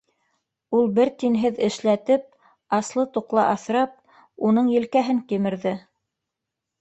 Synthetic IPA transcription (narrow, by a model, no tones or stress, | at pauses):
ulˠbɘɾt̪inɦɘðɘ̆ʃlæt̪ɘp̚ | ɑslˠɤt̪uqlˠɑ̰ʔɑθɾɑp̚ | unɤɴjɘ̆lkæɦɘŋkimɘ̆ɾðɘ